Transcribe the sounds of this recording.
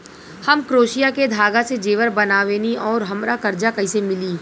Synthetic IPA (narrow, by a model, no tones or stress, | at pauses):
hɐmkɾoːʃijaked̪ʱaːɡased͡ʒeːʋəɾbɐnaːʋeːniʔɔːɾɦɐmɾakɐɾd͡ʒakɐisemɪliː